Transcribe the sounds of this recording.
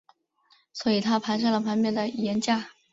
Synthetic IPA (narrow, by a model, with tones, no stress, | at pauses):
swɔ˧˥i˨˩t̪ʰa˥pʰa˧˥nʂ̬a˥ŋlə˩pʰa˧˥npjɛ˥˩nd̪ə˩˧˩jɛ˧˥nt͡ɕja˥˩